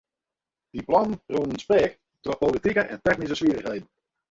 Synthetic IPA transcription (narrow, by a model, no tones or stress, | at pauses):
d̥iplɔnnruːnənspɛːk | dopolitikəʔɛ̰ntɛxnis̬əsʋiərəxɦejdn̩